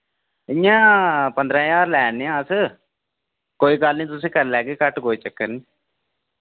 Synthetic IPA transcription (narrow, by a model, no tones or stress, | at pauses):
ɪjãːpə̃nd̪ɾãːjaːɾlɛːneãːəs | koːiːkaːlnĩːt̪̬ʊsẽːkəɾlɛːkeːkəʈkoːiːt͡ʃəkːəɾniː